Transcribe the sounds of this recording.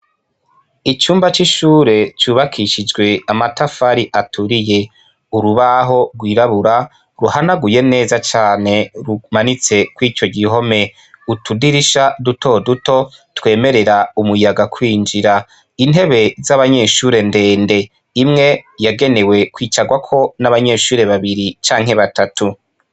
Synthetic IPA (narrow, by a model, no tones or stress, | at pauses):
it͡ʃuːmbat͡ʃiʃuːɾe̞t͡ʃuːβakʰiʃid͡ʒɡwe̞amatafaɾiʔatʰuɾije̞ | uɾuβaɦo̞ɾɡwiːɾaβuɾa | ɾuhanaɡuje̞ne̞ːzat͡ʃaːne̞ɾumanit͡se̞kwiːt͡ʃo̞ɡiɦo̞me̞ | utudiɾiʃadutʰo̞duto̞twe̞ːme̞ɾe̞ɾaumujaɡakʰwiːnd͡ʒiɾa | in̥ɦe̞βe̞zaβaɲe̞ʃuːɾe̞nde̞ːnde̞ | imŋe̞jaɡe̞ne̞we̞kwiːt͡ʃaɡwakʰo̞naβaɲe̞ːʃuːɾe̞βaβiɾit͡ʃaːŋɦe̞βatʰatʰu